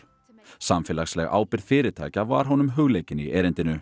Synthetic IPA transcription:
samfɪːlaxslɛɣa̰ːwpɪɾð̥fɪːɾɪɾt̪ʰa̰ːjcava̰ɾ̥ɦɔnʏmɦʏɣleːjcɪnḭɛːɾɪnt̪ɪnʏ

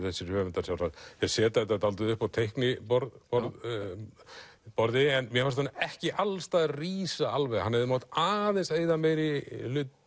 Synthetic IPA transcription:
θɛsːɪɾvœːvɛnt̪aɾsawsaθɛɾsɛːt̪aɪt̪at̪alt̪̬ʏðʏhpawt̪ʰejhknɪpɔɾðpɔɾð | pɔɾðɪɛnmjɛhfaɾst̪ʰanːaɛhcɪʔalst̪aːðriːsaalvɛɣhanhɛvðɪmaːt̪aːðenseːjðamɛjɾɪlʏt̪

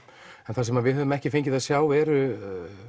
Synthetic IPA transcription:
ɛnθaɾsɛmaðvɪðɦœðʏmɛhcɪ̥feɲcɪðaðsjaːwvɛːɾʏ

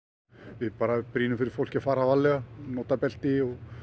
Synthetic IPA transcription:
vɪðpaːɾapɾiːnʏmfɪɾɪɾ̥fowl̥cɪafaːɾavalɛɣanɔːt̪apɛl̥t̪ɪɔɣ

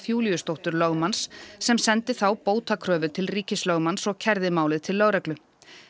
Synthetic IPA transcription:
θjuːlijʏst̪owht̪ʏɾlœɣmansːɛmsɛnt̪ɪθawpoːwt̪akʰɾœːvʏt̪ʰɪlriːcɪslœɣmansɔɣcʰɛɾðɪmaːwlɪðt̪ʰɪlːœɣɾɛklʏ

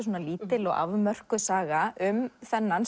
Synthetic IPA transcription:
s̬uoːnaliːt̪ɪlɔɣa̰vmœr̥kʏsaːɣaʔʏmθɛnːan

